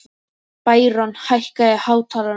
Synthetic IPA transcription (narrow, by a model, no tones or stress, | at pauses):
pajɾɔnhajhkaɛhawt̪ʰaɾa